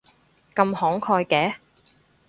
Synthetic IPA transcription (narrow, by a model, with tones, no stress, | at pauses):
kɐ˧mhɔː˨˥ŋkʰɔː˧jkɛː˨˥